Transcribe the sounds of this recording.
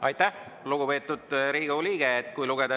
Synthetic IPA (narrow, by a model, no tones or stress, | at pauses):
ɑjt̪ˑːæh | luɡupe̞ːt̪ːˑud̪̥ɾiːɡoliːɡ̥eːt̪ːˑkujluɡ̥ed̪̥ɑ